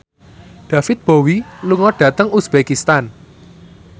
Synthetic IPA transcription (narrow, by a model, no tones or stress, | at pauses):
ɖ̪̥ä̤fɪt̪̚b̥o̤wiluŋɔɖ̥ä̤t̪əŋusb̥ekist̪an